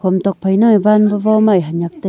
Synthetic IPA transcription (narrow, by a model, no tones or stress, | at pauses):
kʰomt̪ɔk̚pʰəjnajbanbəvɔmajɦaɲak̚t̪ə